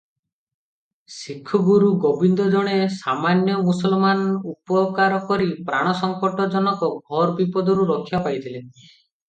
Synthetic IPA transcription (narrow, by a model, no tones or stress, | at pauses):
sikʰːɔɡuɾuɡobind̪ɔd͡ʒɔɽ̃esamanjɔmusɔlmanupɔkaɾɔkɔɾipɾaɽ̃ɔsɔŋkɔʈɔd͡ʒɔnɔkɔɡʱɔɾbipɔd̪ɔɾuɾɔkʰijapajt̪ʰile